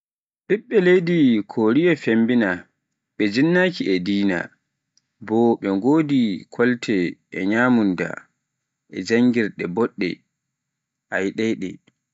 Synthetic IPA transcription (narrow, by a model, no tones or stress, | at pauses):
ɗiɓːɛlejdikʰoɾijɛfembina | ɓɛd͡ʒinːaːkiʔɛdiːna̰ | bɔɓɛŋɡoːdikʰɔltʰɛɛ̰ɲaːmunda̰ | ʔɛ̰d͡ʒaŋɡiɾɗɛbɔɗːɛ̰ | ʔajɗɛjɗɛ̰